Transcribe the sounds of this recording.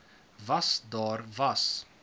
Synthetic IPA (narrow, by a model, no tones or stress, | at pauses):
vasd̪ɑːɾvas